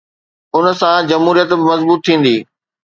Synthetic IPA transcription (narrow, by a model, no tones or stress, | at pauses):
ʊnsãd͡ʑɐmɦuːɾijət̪bɪmɐzbuːt̪ʰːĩːn̆d̪iː